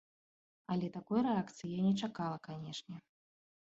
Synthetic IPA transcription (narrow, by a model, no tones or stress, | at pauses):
ɐlʲɛt̪akɔjɾɛakt̪sɨjijanʲɛt͡ʂakalˠɐkanʲɛʂnʲɛ